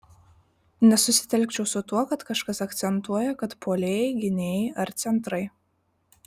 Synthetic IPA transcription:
nʲɛsʊsʲɪ̥t̪ʲɛlʲˑkʲt͡ʃʲɛʊsʊt̪uɔkɐt̪kɐʃkɐsɐkt̪sʲɛnˑt̪uɔjɛkɐt̪pʰoːlʲeːjɛɪɡʲɪnʲeːjɛɐɾt̪sʲɛnˑt̪ɾɐɪ

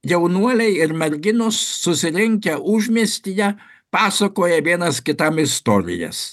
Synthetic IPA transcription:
jɛʊnuɔlʲɛɪɪɾmʲɛɾʲɡʲɪnʊsːʊsʲɪɾʲɪŋʲkʲɛʔʊʒʲmʲiɛsʲt̪ʲɪjɛ | pɑːsɐkoːjɛʋʲiɛnɐskʲɪt̪ɐmɪst̪oːɾʲɪ̰jɛ̰s

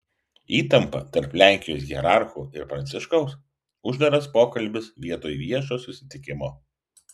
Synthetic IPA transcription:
iːt̪ɐmpɐ̰t̪ɐɾplʲæˑŋʲkʲɪjoːsɡʲiɛɾɑˑɾxuːɪɾpɾɐnt̪sʲɪʃkɐʊs | ʊʒd̪ɐɾɐspoːkɐlʲbʲɪsʋʲiɛt̪oːjʋʲiɛʃoːsʊsʲɪ̥t̪ʲɪkʲɪmoː

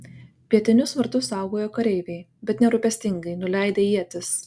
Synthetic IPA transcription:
pʲiɛt̪ʲɪnʲʊsʋɐɾt̪ʊsːɑˑʊɡoːjoːkɐɾʲɛɪʋʲɛɪ | bʲɛt̪nʲɛɾʊpʲɛsʲt̪ʲɪŋɡɐɪnʊlʲɛɪd̪ʲeːiɛt̪ʲɪs

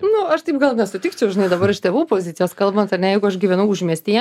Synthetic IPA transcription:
nʊɐʃt̪ɐɪp̚ɡɐlˠnʲɛsʊt̪ʲikt͡ʃʲʊʊʒʲɪnɐɪd̪ɐbɐɾɪʃt̪ʲeːʋuːpoːzʲɪt̪sʲɪjoːskɐlˠbɐnt̪ɐrnʲɛjɛɪɡʊɐʃɡʲiːʋʲɛnɐʊʊʒʲmʲiɛsʲt̪ʲijɛ

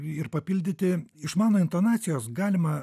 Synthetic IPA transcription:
ɪɾpɐpʲɪlʲd̪ʲɪt̪ʲɪɪʃmɑːnoːɪnt̪oːnɑːt̪sʲɪjoːsɡɑːlʲɪmɐ

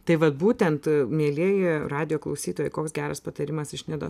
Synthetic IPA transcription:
t̪ɐɪʋɐt̪̚buːt̪ʲɛnt̪mʲiɛlʲiɛjɪrɑːd̪ʲɪjoːklˠɐʊsʲiːt̪oːjɛɪkoːksɡʲæːɾɐspɐt̪ɐɾʲɪmɐsɪʃʲnʲɪd̪o̰s

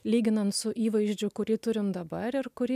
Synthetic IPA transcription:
lʲiːɡʲɪnɐnt̪sʊʔiːʋɐɪʒʲd͡ʒʲʊkʊɾʲiːt̪ʊɾʲɪmd̪ɐbɐɾɪɾkʊɾʲiː

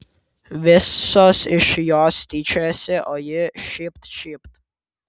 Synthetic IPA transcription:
vɛssɔsiʃjɔst̪iːt͡ʃɛsɛʔɔjəʃipt̪ʃipt̪

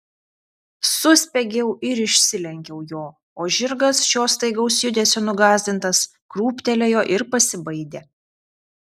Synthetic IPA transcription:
sʊsʲpʲɛɡʲɛʊʔɪɾɪʃʲsʲɪlʲɛŋʲkʲɛʊjoː | oːʒʲɪɾɡɐsʃʲoːst̪ɐɪɡɐʊsjʊd̪ʲeːsʲoːnʊɡɑːzʲd̪ʲɪnt̪ɐs | kɾuːpʲt̪ʲɛlʲɛjoːʔɪɾpɐsʲɪbɐɪd̪ʲeː

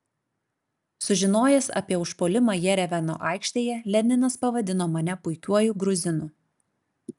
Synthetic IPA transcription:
sʊʒʲɪnoːjɛsɐ̰pʲiɛʊʃpoːlʲɪmɑːjɛɾʲɛʋʲæno̰ːʔɑˑɪkʃʲt̪ʲeːjɛlʲɛnʲɪnɐspɐʋɐd̪ʲɪnoːmɐnʲɛpʊɪkʲuɔjuɡɾʊzʲɪnʊː

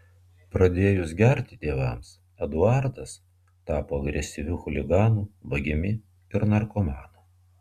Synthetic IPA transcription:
pɾɐd̪ʲeːjʊsɡʲɛɾʲt̪ʲɪt̪ʲeːʋɐms | ɐd̪ʊɑˑɾd̪ɐs | t̪ɑːpoːɐɡɾʲɛsʲɪʋʲuːxʊlʲɪɡɑːnuːbɐɡʲɪmʲɪ | ɪɾnɐɾkomɑːnɐ

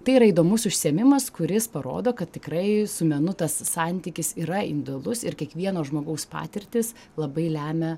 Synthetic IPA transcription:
t̪ɐɪiɾɐiːd̪oːmʊsʊʃʲsʲeɛmʲɪmɐskʊɾʲɪspɐɾo̰ːd̪oːkɐt̪ʲtʲɪkɾɐɪsʊmʲɛnʊt̪ɐsːɑnʲt̪ʲiːkʲɪsiːɾɐɪ̰nd̪olˠʊsɪɾkʲiɛkʋʲiɛnoːʒmoːɡɐʊspɑ̰ːt̪ʲɪɾʲt̪ʲɪs | lˠɐbɐɪlʲæːmʲɛ

